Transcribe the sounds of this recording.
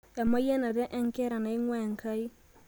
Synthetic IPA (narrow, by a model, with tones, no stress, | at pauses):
ja˨ma˦jɛ˦na˨ɾɛ˦ʔɛ˦ŋkɛ˦ɾa˨na˨ɪ˦ŋwɛ˦˨ŋka˦i˦